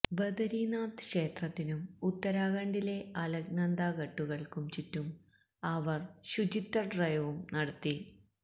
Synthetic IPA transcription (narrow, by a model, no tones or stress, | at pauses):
bɐd̪ɐɾiːnaːt̪kʂe̞ːt̪rɐt̪ːinumut̪ːɐɾaːɣɐɳɖile̞ɐlɐknɐnd̪aːɣɐʈːuɣɐɭkumt͡ɕitːum | ɐʋɐrɕud͡ʑit̪ːɐrɖrɐjɐʋumnɐɽɐt̪ːi